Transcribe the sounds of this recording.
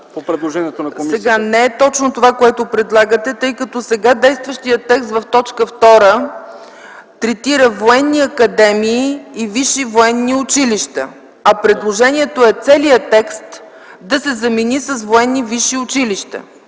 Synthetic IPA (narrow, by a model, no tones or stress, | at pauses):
popɾɛd̪lˠoʒɛniɛt̪onɐkosɛɡanɛɛt̪ɔt͡ʃnot̪ovakoɛt̪opɾɛd̪lˠaɡət̪ɛt̪ɤjkət̪ɔsɛɡad̪ɛjst̪vəʃt̪ijət̪ːɛkst̪vɐft̪ɔt͡ʃkəft̪ɔɾə | t̪ɾɛt̪iɾəvoɛnːiɐkɐd̪ɛmiːviʃivoɛnːiʊt͡ʃiliʃt̪ə̰ | ɐpɾɛd̪lˠoʒɛniɛt̪oɛt̪sɛliət̪ɛkst̪ | d̪ɐsɛzɐminisəsvoɛnːiviʃiʊt͡ʃiliʃt̪ə̰